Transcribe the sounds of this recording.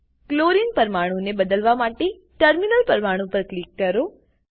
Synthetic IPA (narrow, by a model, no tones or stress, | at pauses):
kloɾinpəɾmaɽ̃ũnebəd̪əlʋamaʈe | ʈəɾminəlpəɾmaɽ̃ũpəɾklikːəɾo